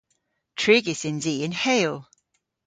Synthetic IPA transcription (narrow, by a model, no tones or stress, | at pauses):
tʰɹ̥iɡɪsɪ̃nziːɪ̃nheɪlˠ